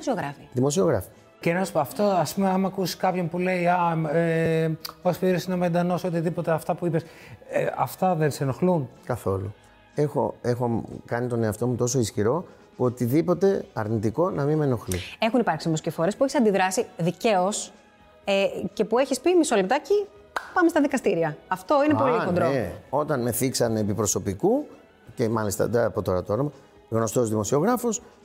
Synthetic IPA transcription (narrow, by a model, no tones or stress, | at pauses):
osioɣɾɐfiðimo̞sioɣɾɐ̰fi̥ | cenɐsɐft̪oɐspumeɐmɐkusi̥skɐpçompuleiɐe | ospiɾesinomend̪ɐno̞sot̪iðipo̞t̪eɐft̪ɐpuipes | ɐft̪ɐðensenoxlunkɐθo̞lṵ | e̞xo̞̰exokɐnit̪o̞ne̞ɐft̪o̞mut̪o̞so̞isçiɾo̞ | ot̪iðipo̞t̪e̞ɐɾnit̪iko̞nɐmimeno̞xlie̞xunipɐɾksimoscefoɾe̞spueçisɐnd̪iðɾɐsiðice̞os | ece̞pue̞çispimiso̞lep̚t̪ɐci | pɐme̞st̪ɐðikɐst̪iɾiɐɐft̪oinepo̞liod̪ɾoeo̞t̪ɐnme̞θiksɐnepipɾo̞so̞piku | ce̞mɐlist̪ɐ̰ðeɐpo̞t̪o̞ɾɐt̪ooɾɐmɐ | ɣno̞st̪ozðimo̞sio̞ɣɾɐfos